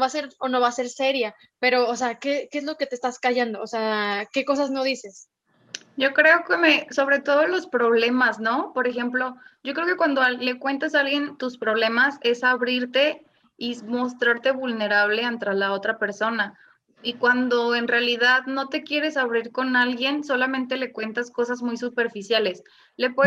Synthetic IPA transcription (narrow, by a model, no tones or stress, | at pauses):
βaseɾono̞βaseɾse̞ɾja | pe̞ɾo̞ːseakekeezlo̞ket̪est̪askaʝand̪o̞ːseake̞ko̞sazno̞ðise̞s | ɟ͡ʝo̞kɾe̞o̞kemeso̞βɾe̞t̪o̞ð̞o̞lo̞spɾo̞β̞le̞mazno̞po̞ɾexe̞mplo̞ɟ͡ʝo̞kɾeoke̞kwand̪ole̞kwe̞nt̪asalɣje̞nt̪uspɾo̞β̞le̞mase̞saβɾiɾt̪e̞ | imo̞st̪ɾaɾt̪e̞βulne̞ɾaβ̞le̞ant̪ɾalao̞t̪ɾape̞ɾso̞na | ikwand̪o̞e̞nrealiðaðno̞t̪e̞kje̞ɾe̞saβɾiɾko̞nalɣje̞nso̞lamẽnt̪e̞le̞kwe̞nt̪asko̞sazmujsupe̞ɾfisjale̞s | le̞pwe